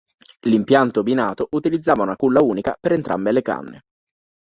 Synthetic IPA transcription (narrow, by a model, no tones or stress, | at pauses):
limpjant̪obinaːt̪oʔut̪ilid̪zːaːvaunakulːauːnika̰peɾent̪ɾʔa̰mbeleka̰nːḛ